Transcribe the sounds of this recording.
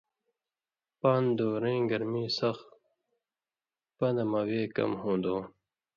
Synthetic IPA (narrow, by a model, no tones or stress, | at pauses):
paːnd̪oːɾẽːɡɐɾmiːsʌx | pɐd̪ɐmaweːkʌ̰mhõːnd̪õː